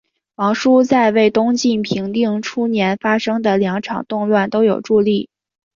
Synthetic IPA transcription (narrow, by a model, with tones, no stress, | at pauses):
wɑ˧˥ŋʂu˥t͡sa˥˧ɪwe˥˩ɪt̪ʊ˥ŋt͡ɕi˥˩npʰi˧˥ŋt̪i˥˧ŋʈ͡ʂʰu˥njɛ˧˥nfa˥ʂɤ˥ŋd̪ə˨ljɑ˧˥ŋʈ͡ʂʰɑ̰˨˩ŋt̪ʊ˥˧ŋlwa˥˩nt̪o˥ʊjo˨˩ʊʈ͡ʂu˥˧li˥˩